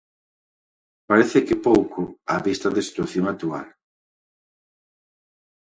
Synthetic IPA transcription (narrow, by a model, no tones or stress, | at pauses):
paɾeθɪkɪpowkʰʊaβist̪ɐðɪsi̥t̪waθjoŋak̚t̪ua̰l